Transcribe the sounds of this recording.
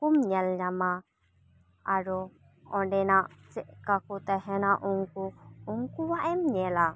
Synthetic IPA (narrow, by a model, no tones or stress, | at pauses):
kumɲɛlɲama | aɾɔ | ɔ̃ɖɛnaʔt͡ʃɛʔkakut̪aɦɛnaʔuŋkuːŋkuwaʔɛmɲɛla